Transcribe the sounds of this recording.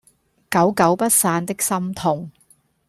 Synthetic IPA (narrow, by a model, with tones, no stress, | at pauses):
kɐ˨˥wkɐ˨˥wpɐ˥t̚saː˧nt̪ɪ˥k̚sɐ˥mt̪ʰʊ˨˩ŋ